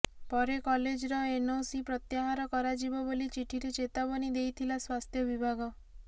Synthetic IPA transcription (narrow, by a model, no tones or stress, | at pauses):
pɔɾekɔled͡ʒɾɔenosipɾɔt̪jaɦaɾɔkɔɾad͡ʒibɔbolit͡ʃiʈʰiɾet͡ʃet̪abɔnid̪ejt̪ʰilaswast̪ʰjɔbibʱaɡɔ